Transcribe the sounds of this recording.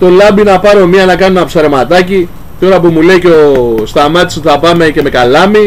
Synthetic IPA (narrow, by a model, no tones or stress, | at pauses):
t̪o̞lɐbinɐpɐɾo̞miɐnɐkɐnunɐpsɐɾe̞mɐt̪ɐci | t̪o̞ɾɐpumulejceo̞st̪ɐmɐt̪isuθɐpɐme̞ce̞me̞kɐlɐmi